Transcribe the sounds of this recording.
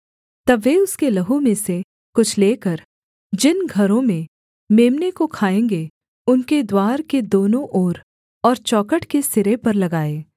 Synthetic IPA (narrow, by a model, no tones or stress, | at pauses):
t̪ɐbːeʊskelɐɦumẽse | kʊt͡ʃʰleːkɐɾ | d͡ʒɪnɡʱɐɾõmẽ | meːmnekokʰaːẽːŋɡe | ʊnked̪waːɾked̪oːnõʔoːɾ | ɔːɾt͡ʃɔːkəʈkesɪɾepɐɾlɐɡaːeː